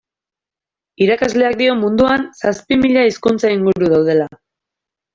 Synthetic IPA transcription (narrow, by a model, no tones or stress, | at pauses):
iɾakazle̞ak̚d̪io̞mund̪uansaspimiʎaiskunt͡saiŋɡuɾuðawð̞e̞la